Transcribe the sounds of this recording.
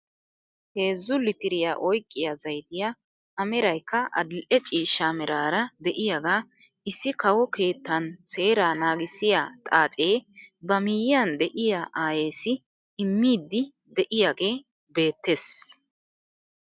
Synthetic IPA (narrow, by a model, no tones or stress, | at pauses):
he̞ːzːʊlɪt̪ɪɾɪjaːʔɔjkʼːɪjazɐjt̪ɪja | ɐmɛɾɐjkːɐʔɐ̰d̪ɪlʔɛt͡ʃʼiːʃːamɛɾaːɾɐd̪ɛʔɪjaɡaː | ʔɪsːɪkɐwɔke̞ːt̪ːɐnse̞ːɾaːnaːɡɪsːɪjaːt̪ʼaːt͡sʼe̞ːbɐmɪjɪjand̪ɛʔɪjaːʔaːjeːsɪː | mːiːd̪ːɪ | d̪ɛʔɪjaɡe̞ː | be̞ːt̪ːe̞ːs